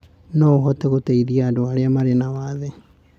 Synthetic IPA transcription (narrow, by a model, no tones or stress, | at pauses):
nɔoɦɔtɛɣoteiðiaːdoaɾeamaɾenawaðe